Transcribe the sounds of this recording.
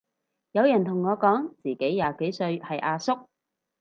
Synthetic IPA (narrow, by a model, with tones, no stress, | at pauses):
jɐ˨˧wjɐ˨˩nt̪ʰʊ˨˩ŋːɔː˨˧kɔː˨˥ŋt͡siː˨˩ke˨˥jːaː˨˧ke˨˥jsɵ˧ɥhɐ˨jʔaː˧sʊ˥k̚